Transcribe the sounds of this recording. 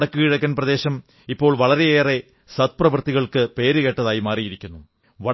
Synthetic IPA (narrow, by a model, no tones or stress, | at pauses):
ɽɐkːɨkiɻɐkʲːɐnprɐðe̞ːɕɐm | ipːo̞ːɭʋɐɭɐɾe̞jeːre̞ | sɐt̪̚prɐʋɐrt̪iɣɐɭkɨpe̞ːɾɨɣe̞ʈːɐðaːjimaːrijiɾikʲːunːu | ʋɐ